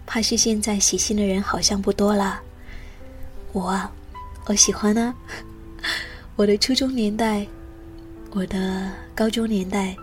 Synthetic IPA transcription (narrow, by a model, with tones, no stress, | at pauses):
pʰa˥˧ʂɻ̩˥˧ɕjɛ˥˧nt͡sa˥˩ɪɕi˨˩ɕi˥˩nd̪ə˩ɻə˧˥nxɑ˨˩ʊɕjɑ˥˧ŋpu˥˩t̪wɔ˥lə˨˩ | wɔ˨˩ɐ˦˩ | ə˧˥ɕi˨˩xwa˥nə˧ | wɔ˨˩d̪ə˦ʈ͡ʂʰu˥ʈ͡ʂʊ˥ŋnjɛ˧˥nt̪a˥˩ɪ | wɔ˨˩d̪ə˦kɑ˥ʊʈ͡ʂʊ˥ŋnjɛ˧˥nt̪a˥˩ɪ